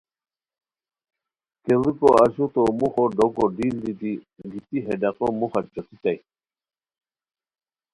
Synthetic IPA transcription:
kʼɛlikɔaʃut̪ɔmuχɔɖɔɡɔɖild̪it̪i | ɡit̪ʼiɦɛɖaqʼɔmuχad͡ʒɔt̪ʰit̪ʼaj

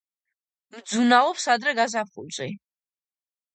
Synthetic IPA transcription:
md̪zunavɔpsad̪ɾɛɡazapχṵlt͡sʼi

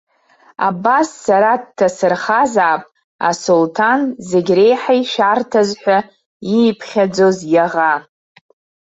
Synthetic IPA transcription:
a̰basːaɾadtʰːasɨrχazaːpʼ | a̰soltʰanzeɡʲre̞jħaiʃartʰazħʷᶣa | ipʰχʲad͡zo̞zjaʁa

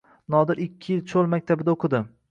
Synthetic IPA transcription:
nɒd̪ɪɾɪkʲʰːɪjɪlt͡ʃʰolˠmak̚ʲt̪ʰabɪd̪aoqʰɨd̪ɪm

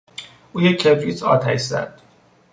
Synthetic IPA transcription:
uːjekʰeb̪ɾit͡s̪ʰɒ̰ːt̪ʰæjzæ̰d̪̥

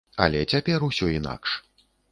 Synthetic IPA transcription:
ɐ̰lʲɛt͡sʲapʲɛrusʲɔina̰kʂ

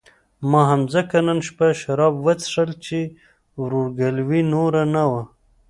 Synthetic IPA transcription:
mɑɦamzəkananʃpaʃaɾɑbwət͡sʂəlt͡ʃe | wɾoɾɡalwinoɾanawa

